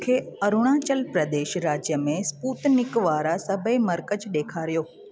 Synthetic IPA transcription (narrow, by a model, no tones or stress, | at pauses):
kʰeːɐɾʊɽ̃aːt͡ɕəlpɾɐd̪eːʃɾaːd͡ʑjəmẽspuːt̪nɪkʋaːɾasɐbʱemɐɾkəd͡ʑɗeːkʰaːɾijoː